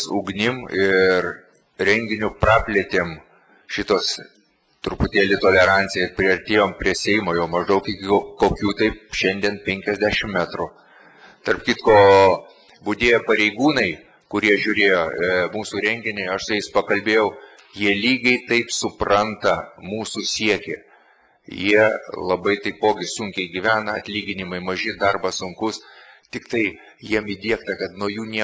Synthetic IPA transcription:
suɡnʲɪmɪr | ɾʲɛŋʲɡʲɪnʲʊprɑːpʲlʲiɛt̪ʲeːm | ʃʲɪt̪oːs | t̪ɾʊpʊt̪ʲeːlʲɪt̪oːlʲɛɾɑnʲt̪sʲɪjɛɪpʲɾʲɪɐɾʲt̪ʲeːjoːmpʲɾʲiɛsʲɛɪmoːjoʊmɐʒd̪ɐʊkɪkʲɪkoːkʲuːt̪ɐɪpʃʲɛnʲd̪ʲiɛnpʲɛŋʲkʲɛzʲd̪ʲæːʃʲɪmmʲæt̪ɾʊ | t̪ɐrpkʲɪt̪koː | bʊd̪ʲeːjopɐɾʲɛɪɡuːnɐɪ | kʊɾʲiɛʒʲʊɾʲeːjoːmuːsuːɾʲɛŋʲɡʲɪnʲɛɪɐʃsʊjɛɪspɐkɐlʲbʲeːjɛʊ | jiɛlʲiːɡɐɪt̪ɐɪpsʊprɐnt̪ɐmuːsʊsʲiɛkʲe | jiɛlˠɐbɐɪt̪ɐɪpoːɡʲɪsuŋʲkʲɛɪɡʲɪʋʲæːnɐɐ̰t̪ʲlʲiːɡʲɪnʲɪmɐɪmɐʒʲɪd̪ɐrbɐsʊŋkʊst̪ʲɪkt̪ɐɪ | jiɛmid̪ʲiɛkt̪ɐkɐt̪nuɔjuːnʲiɛ

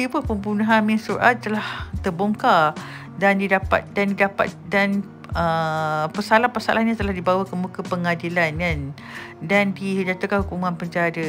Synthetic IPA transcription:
t̪ibəpəmbunãɦamĩnsuɾʔa̰t̪̚t̪əlaht̪əboŋka | dandidapa̰t̪̚dandidapa̰t̪̚dan | əpəsalahpasa̰lʔaɲat̪əlahdibawakənmukəpəŋadilankan | dandihidat̪ukanhukumãnpəɲd͡ʒadə

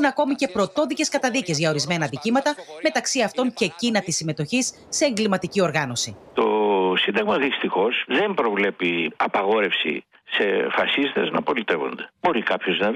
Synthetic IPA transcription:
nɐko̞mice̞pɾo̞t̪o̞ðice̞skɐt̪ɐðice̞zʝɐoɾizme̞nɐðicimɐt̪ɐme̞t̪ɐksiɐft̪o̞ɲce̞cinɐt̪isime̞t̪o̞çisːe̞ːŋɡlimɐt̪icio̞ɾɣɐno̞sit̪o̞sind̪ɐɣmɐðist̪ixo̞zðe̞mpɾo̞vle̞piɐpɐɣo̞ɾe̞fsḭ | se̞fɐsist̪e̞znɐ̰po̞lit̪e̞vo̞̰nd̪e̞bo̞ɾikɐpçoznɐ

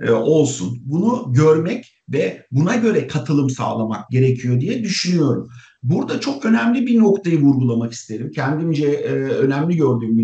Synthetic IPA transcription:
o̞lˠsṵnbunuɟøɾmɛc | vɛbunaɟø̞ɾɛkʰat̪ʰɯlˠɯmsa̰ːlˠama̰k̚ɟe̞ɾecʰijo̞d̪ijɛd̪yʃynyjo̞ɾum | buɾd̪at͡ʃʰo̞kø̞næmlʲibiɾno̞kt̪ʰajɯvuɾɡulˠamaki̥st̪ʰe̞ɾimcʰɛnd̪imd͡ʒɛønæmlʲiɟø̞ɾd̪yːmi

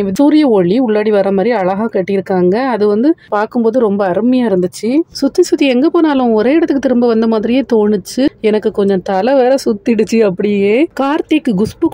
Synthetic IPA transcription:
ʋɪsuːɾɪjɐɔɭːiʊɭːaːɽiʋɐrɐmaːd̪ɾiɐɭɐɣaːkɐʈːɪjɪɾɯkːaːŋɡɐːðɯʋɐnd̪ɯpaːɾkɯmpoːðɯɾɔmbɐɐɾɯmɐjaːɪɾɯnd̪ɯt͡ʃːɯsʊt̪ːisʊt̪ːiɛŋɡɐːpoːnaːlʊ̃ɔɾeːɪɽɐt̪ːɯkːɯt̪ɪɾɯmbɐʋɐnd̪ɐmaːðɾɪjeːt̪oːɳɯt͡ʃːɯɛnɐkːɯkɔɲd͡ʒɔ̃t̪ɐlɐʋeːɾɐsʊt̪ːɪɽɯt͡ʃːɯɐpːɐɽɪjjeːkaːɾt̪ɪkːɯɡʊspɯ

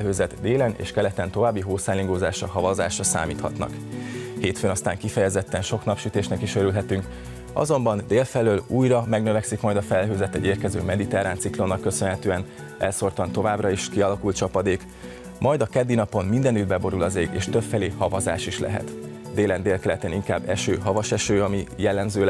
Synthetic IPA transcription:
ɦøːzɛt̪d̪eːlɛnḛːʃkɛlɛt̪ɛnt̪o̞vaːbːiɦoːsaːliŋɡoːzaːʃɒɦɒvɒzaːʃɒsa̰ːmiːt̪hɒ̰t̪nɒ̰kheːt̪fønɒst̪a̰ːŋkifɛjɛzɛt̪ːɛnʃo̞knɒpʃyt̪eːʃnɛkiʃøɾylɦɛt̪yŋk | ɒ̰zo̞mbɒnd̪eːlfɛløːluːjrɒmɛɡnøvɛksikmɒjd̪ɒfɛlɦøːzɛt̪ɛ̰ɟeːrkɛzø̰ːmɛd̪it̪ɛɾaːnt̪siklo̞nːɒkːø̞sønɦɛt̪øːɛn | ʔɛlso̞rt̪ɒnt̪ovaːbrɒiʃkiɒlɒkult̪̚t͡ʃɒpɒd̪eːk | mʔɒjd̪ɒkɛd̪ːinɒpo̞nmind̪ɛnyd̪̚bɛbo̞ɾulɒzeːɡḛːʃt̪øpfɛleːhɒvɒza̰ːʃiʃlɛ̰ɦɛ̰t̪ | d̪eːlɛnd̪eːlkɛlɛt̪ɛniŋka̰ːbːɛʃøːɦɒvɒʃɛʃøːɒmijɛlːɛmzøː

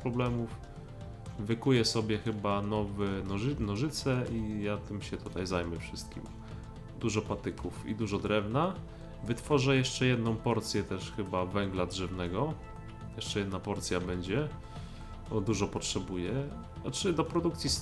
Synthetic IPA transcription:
pɾɔblɛmuf | vɘkujɛsɔbʲjɛxɘbanɔvɛnɔʐnɔʐɘt̪sɛijat̪ɘmɕɛt̪ut̪ajzajmɛfʂɘst̪̚kʲḭm | d̪uʐɔpat̪ɘkufḭd̪uʐɔd̪ɾɛvna | vɘt̪fɔʐɛjɛʂt͡ʂɛjɛd̪nɔ̃w̃pɔɾt̪sʲjɛt̪ɛʂxɘbavɛŋɡladʐɛvnɛɡɔ | jɛʂt͡ʂɛjɛd̪napɔɾt̪sʲjabɛɲd͡ʑɛ | bɔd̪uʐɔpɔtʂɛbujɛ | ɔt͡ʂɘd̪ɔpɾɔd̪ukt̪sʲis

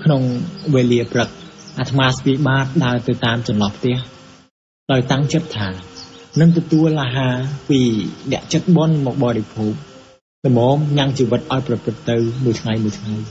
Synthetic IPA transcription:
kʰnoŋʋeːliəprɨk̚ʔat̪ʰmaːst̪iːɓaːt̪̚ɗaəlt̪ɨwt̪aːmt͡ɕɑnlɑhpʰt̪ɛ̆əh | ɗaɔjt̪aŋt͡ɕət̪̚t̪ʰːaːnɨŋt̪ɔt̪uəlːaɦaːpiːnɛ̆əʔt͡ɕət̪̚ɓŏnmɔːk̚ɓɑːɾepʰuːp̚ | nɨmɔːŋɲaŋt͡ɕiːʋɨt̪̚ʔaɔjprɑprɨt̪ːɨwmuəjt̪ʰŋajmuəjt̪ʰŋaj

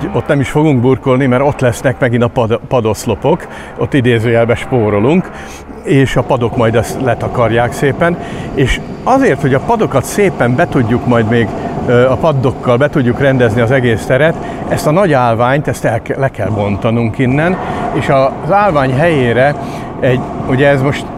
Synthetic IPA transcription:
o̞t̪nɛmiʃfo̞ɡuŋɡburko̞lnimɛɾo̞t̪ːlɛsnɛkmɛɡint̪ɒpɒd̪pɒd̪o̞slo̞po̞k | o̞t̪ːid̪eːzøːjɛlbɛʃpoːɾo̞luŋk | eːʃɒpɒd̪o̞kmɒjd̪ɛst̪lɛt̪ɒkɒrjaːkseːpɛneːʃ | ɒzeːrt̪ho̞ɟɒpɒd̪o̞kɒt̪seːpɛmbɛt̪uɟːukmɒjd̪meːɡɒpɒd̪ːo̞kːɒlbɛt̪uɟːukrɛnd̪ɛzniɒzɛɡeːst̪ɛɾɛt̪ | ɛst̪ɒnɒɟaːlvaːɲt̪ɛst̪ɛlklɛkɛlbo̞nt̪ɒnuŋkinːɛneːʃɒzaːlvaːɲɦɛjeːɾɛ | ɛɟuɟɛːzmo̞ʃt̪

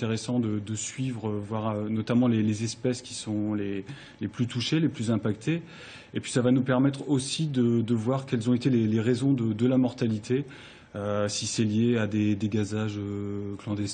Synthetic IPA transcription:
t̪eʁesɑ̃d̪əd̪əsɥivʁəvwaʁønɔt̪amɑ̃lelezɛspɛskʲi̥sɔ̃le | leplyt̪ʰuʃeleplyzɛ̃pakt̪ʰe | epɥi̥savanupɛʁmɛt̪χosid̪əd̪əvwaʁkɛlzɔ̃et̪eleleʁezɔ̃d̪əd̪əlamɔʁt̪alit̪ʰe | øsisɛljead̪ed̪eɡazaʒøklɑ̃d̪ɛst̪

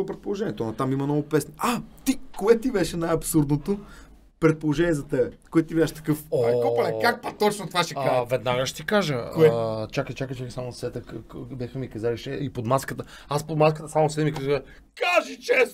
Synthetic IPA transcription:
pɾɛt̪̚polˠoʒɛnʲiɛt̪ɔnɐt̪amimɐnɔɡʊpɛsniat̪ikoɛt̪ibɛʃɛnajɐpsuɾd̪not̪o | pɾɛt̪̚polˠoʒɛniɛzɐt̪ɛbɛkoɛt̪t̪ibʲaʃt̪ɐ̥kɤfokɔɐɛkak̚pɐt̪ɔt͡ʃnot̪ovaʃɛavɛd̪naɡəʃt̪ikaʒəoɛt͡ʃakət͡ʃakət͡ʃakəsamonsɛt̪əkbʲaxɐmikɐzaliʃɛipod̪maskət̪ə | aspod̪maskət̪əsamosɛd̪ɛmikazɛ | kaʒit͡ʃɛst̪

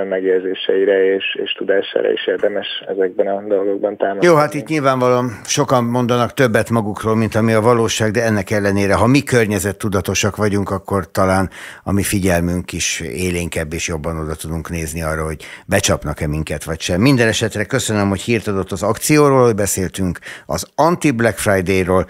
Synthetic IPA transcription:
mɛɡjɛzeːʃɛ̰iɾɛeːʃḛːʃt̪ud̪aːʃa̰ːɾɒ̰ḭʃeːrd̪ɛmɛʃɛ̰zɛɡ̚bɛnɒd̪o̞lɡoɡ̚bɒnt̪aːmojoːɦat̪it̪ɲilvaːɱvɒlomʃo̞kɒmmo̞nd̪ɒnɒkt̪øbːɛt̪mɒɡukroːlmint̪ɒmiɒvɒloːʃaːɡd̪ɛɛnːɛkɛlːɛneːɾɛɦɒmikørɲɛzɛt̪ːud̪ɒt̪o̞ʃɒkʋɒɟuŋkɒkːo̞rt̪ɒlaːnɒ̰mifiɟɛlmyŋkiʃeːleːŋkɛbːeːʃjo̞bːɒno̞d̪ɒt̪ud̪uŋkneːzniɒrːɒɦo̞ɟbɛt͡ʃɒpnɒkɛmiŋkɛt̪ʋɒcʃɛmːind̪ɛnɛʃɛt̪rɛkø̞sønømho̞chiːrt̪ɒd̪o̞t̪ːɒzɒkt̪sijoːɾoːlho̞ɟbɛseːlt̪yŋkɒ̰zɒnt̪iblɛkfrajd̪eːjroːl

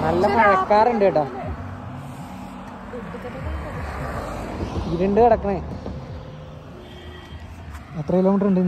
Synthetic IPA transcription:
nɐlːɐmɐɽɐkːaːruɳɖɨʈːa | iɾeɳɖɨɐɽɐkːɐɳe | ɐt̪ːrɐkiloːmiʈːruɳɖi

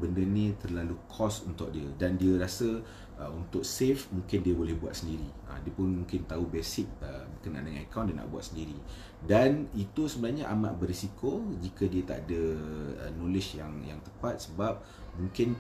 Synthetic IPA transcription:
bəndənĩt̪ərlalukʰɔsunt̪ʊk̚diədandiəɾasə | ʔəunt̪ʊk̚sefmũŋkɪndiəbolɛhbuat̪̚səndiɾiə̰diəpʊnmũŋkɪnt̪aubesɪk̚əbərkənaʔa̰ndəŋanakawndiəna̰ʔbua̰t̪̚səndiɾi | danit̪usəbənahɲəʔa̰ma̰ʔbərɾisikod͡ʒikədiət̪a̰ʔa̰dəə̰nolɪʃjaŋjaŋt̪əpat̪̚səbap̚ | mũŋkɪn

